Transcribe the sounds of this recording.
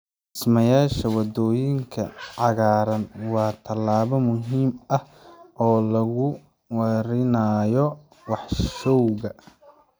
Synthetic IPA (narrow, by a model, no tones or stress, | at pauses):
ʔɪsmɐjaːʃɐwɑd̪ɔːjɪŋkʰɐ̰ʕɑɣaːɾɐnwɑːt̪ʰɐlːaːβɔmʊɦiːmɐh | ʔɔːlɐɣʊ | wɐɾɪnɐjɔ | wɑħʃɔwɣɐ